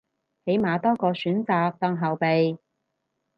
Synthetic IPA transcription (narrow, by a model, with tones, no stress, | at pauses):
he˨˥jmaː˨˧t̪ɔː˥kɔː˧syː˨˥nt͡saː˨˧k̚t̪ɐ˧ŋɦɐ˨wpe˨j